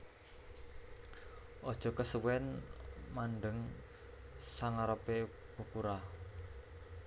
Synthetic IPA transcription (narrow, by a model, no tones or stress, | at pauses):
ʔɔd̥ʒ̥ɔ̤kəsəwɛnmanɖəŋ | saŋaɾəpe | ukuɾah